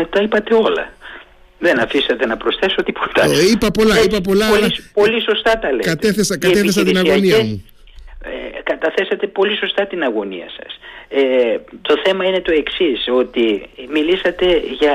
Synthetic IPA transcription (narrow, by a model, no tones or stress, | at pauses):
met̪ɐipɐt̪e̞o̞lɐ̰ | ðenɐfisɐt̪e̞nɐpɾo̞sθe̞sot̪ipo̞̥t̪ɐipɐpo̞lɐipɐp̬o̞lɐlɐspoliso̞st̪ɐt̪ɐlekɐt̪eθesɐkɐeθes̬ɐt̪iinɐɣoniɐmu | ḛkɐt̪ɐθe̞sɐt̪e̞po̞liso̞st̪ɐt̪inɐɣo̞nḭɐ̰sɐ̥̰set̪o̞θe̞mɐine̞t̪o̞e̞ksiso̞t̪imilisɐt̪e̞ʝɐ